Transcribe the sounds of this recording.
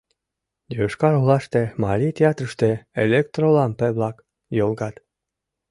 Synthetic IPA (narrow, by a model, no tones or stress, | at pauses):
jøʃkɑɾolɑʃt̪emɑlʲit̪ʲeɑt̪ɾəʃt̪eelʲekt̪rolɑmpeβlɑk | jolɡɑt̪